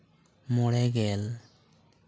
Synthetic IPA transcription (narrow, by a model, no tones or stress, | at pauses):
mɔɽɛɡɛl